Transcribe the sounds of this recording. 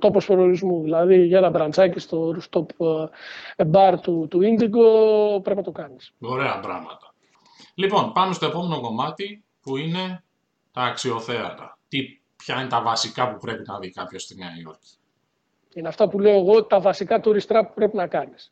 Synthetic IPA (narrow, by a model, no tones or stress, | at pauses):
t̪o̞pospoɾioɾizmuðilɐðiʝɐnɐbɾɐnd͡zɐcist̪o̞ɾust̪o̞p | ebɐɾt̪ut̪uind̪iɡo̞pɾe̞pinɐt̪o̞kɐnisoɾe̞ɐbɾɐ̰ɣmɐ̰t̪ɐ | lipo̞npɐmest̪o̞epo̞me̞no̞ko̞mɐt̪i | puine̞ | t̪ɐːksio̞θe̞ɐ̰t̪ɐ̰t̪i | pçɐine̞t̪ɐvɐsikɐpupɾe̞pinɐvikɐpço̞st̪ineɐio̞̰ɾci̥ | ineɐft̪ɐpule̞o̞eɣo̞t̪ɐvɐsikɐt̪uɾist̪ɾɐpu̥pɾe̞pinɐkɐnis